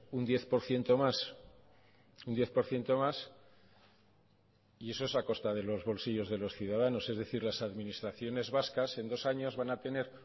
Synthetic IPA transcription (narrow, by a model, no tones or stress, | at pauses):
und̪je̞θpo̞ɾθje̞nt̪o̞mas | und̪je̞θpo̞ɾθje̞nt̪o̞mas | ie̞so̞e̞sako̞st̪að̞e̞lo̞zβo̞lsiʝo̞zðe̞lo̞sθjuðaðano̞se̞zðe̞θiɾlasaðmĩnist̪ɾaθjo̞ne̞zβaskase̞nd̪o̞saɲo̞zβanat̪e̞ne̞ɾ